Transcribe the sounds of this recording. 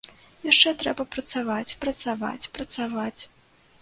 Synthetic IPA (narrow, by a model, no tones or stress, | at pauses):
jaʂt͡ʂɛt̪ɾɛbɐpɾɐt̪savat͡sʲpɾɐt̪sava̰t͡sʲpɾɐt̪savat͡sʲ